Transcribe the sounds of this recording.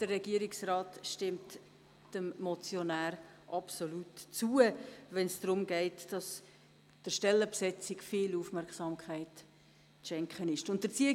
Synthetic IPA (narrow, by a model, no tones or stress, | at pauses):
d̥ərrɛɡ̥iəɾɪksrɑːtʃtɪmt | d̥əmmɔt͡sjɔnæːɾ | ʔɑpsolutt͡suəʋɛnsd̥rʊmɡɛɪtd̥ɑs | d̥əʃtɛlːəpsɛt͡sɪkfiːlufmɛɾkχsɑmkʰχæɪt | t͡sʃɛŋkχənɪʃtʊntdət͡siə